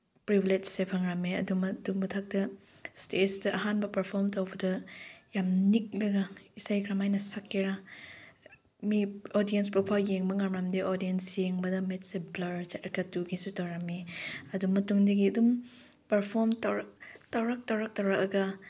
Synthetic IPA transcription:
pɾibiled͡ʒsepʰaŋɾameɐ̰dumɐduŋbɐtʰak̚tɐ | stesdɐʔɐɦanbɐpɐɾpʰoɾmtawbɐdɐjamnik̚lɐɡɐisajkʰɾamajnɐsakːeɾa | miodijenspupʰawjeŋbɐŋamɾamdiʔoɾdiensjeŋbɐdɐmet̚seblɐɾt͡ʃatkatuɡisutawɾameɐdumɐtuŋdeɡiɐdum | pɐɾpʰoɾmtawɾak̚tawɾak̚tawɾak̚tawɾak̚ɐɡɐ

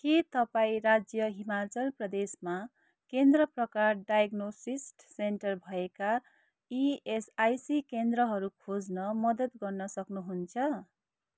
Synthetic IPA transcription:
kit̪ʌpaĩɾad͡zjʌɦimat͡sʌlprʌd̪esma | kend̪rʌprʌkarɖajʌɡnosisʈseɳʈʌrbʱʌeka | iesajsikend̪rʌɦʌɾukʰod͡znʌmʌd̪ʌt̪ɡʌrnʌsʌknuɦunt͡sʰʌ

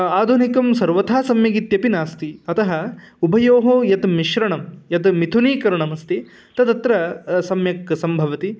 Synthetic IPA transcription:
aːd̪ʱunikɐmsɐɾʋɐt̪ʰaːsɐmjɐɡit̪jɐpinaːst̪iɐt̪ɐɦɐ | ubʱɐjoːɦoːjɐt̪miʃɾɐɳɐmjɐt̪mit̪ʰuniːkɐɾɐɳɐmɐst̪i | t̪ɐd̪ɐt̪ɾɐsɐmjɐksɐmbʱɐʋɐt̪i

